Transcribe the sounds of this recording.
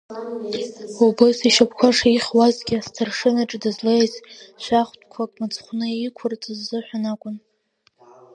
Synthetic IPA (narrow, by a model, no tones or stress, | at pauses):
ubɨsiʃapʰkʷʰaʂaiχʲwazɡʲɪastʰarʂɨnaʈ͡ʂʼdɨzlejzʃʷᶣaχʷtʼkʷʰakʼmat͡sʰʼχʷnɨikʷʰʊrt͡sʼɨzːɨħʷᶣanakʷʼʊn